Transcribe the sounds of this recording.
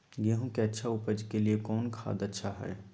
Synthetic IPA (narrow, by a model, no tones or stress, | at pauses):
ɡeɦõkeɐtːʃʰaʊpəd͡ʒkeliekɔːnkʰa̰ːd̪ətːʃʰaɦɛ̰ː